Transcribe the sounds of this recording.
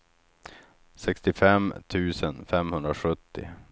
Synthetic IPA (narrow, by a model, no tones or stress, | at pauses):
sɛkst̪ɪfɛmt̪ʰʉ̟ːsənfɛmhɵnd̪ɾaɧɵt̪ːɪ̰